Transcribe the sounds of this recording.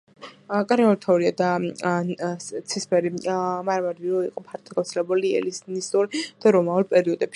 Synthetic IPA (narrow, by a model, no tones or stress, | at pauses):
kʼɾɛɔɾt̪ʰɔuɾiad̪a | t̪sʰispʰɛɾimaɾamad̪viɾɔiqʼɔpʰaɾt̪ʰɔɡaft̪sʰɛlɛbuliɛ̰lisnist̪ʼuɾd̪̥aɾɔmauɾpʼɛɾiɔd̪ɛbʃ